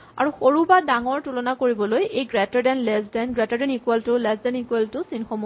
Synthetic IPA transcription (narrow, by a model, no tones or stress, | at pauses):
a̰ɹuxoɹubadaŋɔɹtulɔnakoɹibɔlojejɡɹɛtɔɹdɛnlɛzdɛnɡɹɛtaɹdɛnikuɛltʊlɛzdɛnikuɛltʊsinxɔmu